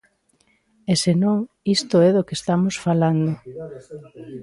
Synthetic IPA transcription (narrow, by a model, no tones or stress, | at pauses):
esenõŋ | ist̪oɛðokest̪amosfaland̪o